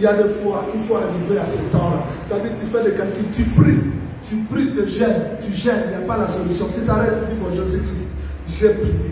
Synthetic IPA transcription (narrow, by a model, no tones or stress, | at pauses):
jadefoaʔifoaɾiveasɛtãlãetaditifɛdekɛ̃kitypɾi | typɾidəʒɛ̃ntyʒɛnɛ̃palasolysjɔ̃titaɾɛtidikɔ̃ʒezikɾist | ʒepi